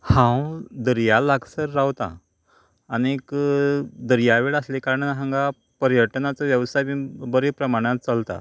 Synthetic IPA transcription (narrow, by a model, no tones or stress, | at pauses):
hãwd̪əɾjalaɡsəɾːawt̪a̰ː | nek | d̪əɾjaʋeɭəslekaɾəɳɦãŋɡa | pəɾjəʈnat͡səʋjəʋsajmibəɾepɾəmaɽ̃att͡salt̪a̰